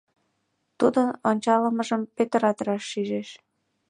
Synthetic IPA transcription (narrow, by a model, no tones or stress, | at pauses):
t̪ud̪ənonʲt͡ɕɑləməʒəmpøt̪əɾɑt̪əɾɑʃːiʒeʃ